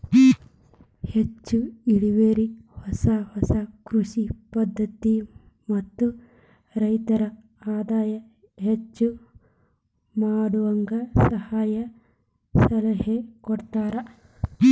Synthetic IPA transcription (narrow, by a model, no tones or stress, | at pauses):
het͡ʃːuiɽiʋeːɾihɔsahɔsɐkɾuʃipɐd̪ːɐt̪i | mɐt̪ːu | ɾɐjt̪ɐɾɐ | aːd̪aːjɐ | ɦet͡ʃːu | maːɽuʋɐŋɡɐsɐhaːjɐ | sɐlɐɦekɔɽt̪aːɾɐ